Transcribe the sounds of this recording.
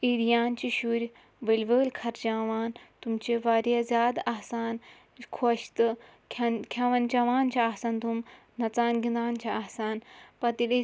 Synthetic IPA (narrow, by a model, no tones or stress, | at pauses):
iːɾijaːnt͡ʃiʃuɾʲ | ʋɐlʲʋəːlʲkʰɐɾd͡ʒaːʋaːnt̪umt͡ʃeʋaːɾjazʲjaːd̪ɐɦsaːn | kʰoʃt̪ɨkʰʲɐnkʲʰaʋɐnt͡ʃaʋaːnt͡ʃʰaːɦsant̪um | nɐt͡saːnɡind̪aːnt͡ʃʰaɐɦsaːnpɐt̪ili